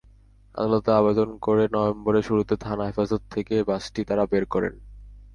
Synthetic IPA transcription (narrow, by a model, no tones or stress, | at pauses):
a̰d̪alot̪eabed̪onkoɾenɔomboɾeʃuɾut̪et̪ʰanaɦefazot̪ʰːekebasʈit̪aɾabeɾkɔɾḛn